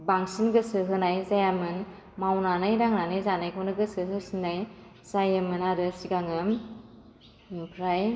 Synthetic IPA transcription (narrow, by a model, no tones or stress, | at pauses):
baŋsinɡɯsɯɦɯnajzajamɯn | mawnanajdaŋnanajzanajkʰonɯɡɯsɯɦɯsinːaj | zajɯmɯnadɯsiɡaŋɯm | pʰɾaj